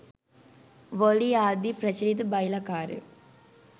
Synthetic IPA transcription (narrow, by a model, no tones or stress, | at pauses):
ʋoliaːd̪ipɾɐt͡ʃlid̪ɨbɐjlɐkaːɾɨ̰